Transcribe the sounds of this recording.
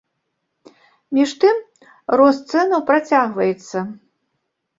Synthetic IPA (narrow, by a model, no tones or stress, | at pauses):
mʲiʂt̪ɨm | rɔst̪sɛnɐwpɾat͡sʲaɣvɐjɛt̪sːɐ